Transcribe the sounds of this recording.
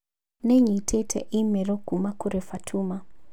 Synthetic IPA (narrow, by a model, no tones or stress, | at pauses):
nɛɲitʰetʰɛ̰ʔimɛɾɔkumakuɾɛfatʰuma